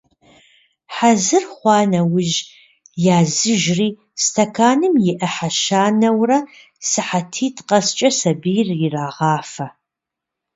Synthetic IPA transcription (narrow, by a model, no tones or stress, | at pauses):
ħazɨrχʷɑːnɐwʊʒ | jaːzɨʒriː | stʰɐkʰaːnɨmjɪʔɐħaʃaːnɐwrɐ | sɨħatʰiːtʰqɐst͡ʃʼɐsɐbijrjɪraːʁɑːfɐ